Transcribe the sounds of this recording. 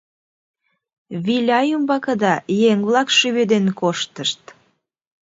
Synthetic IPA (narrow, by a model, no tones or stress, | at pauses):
βilʲɑjumbɑkəd̪ɑjeŋβlɑkʃyβed̪enkoʃt̪əʃt̪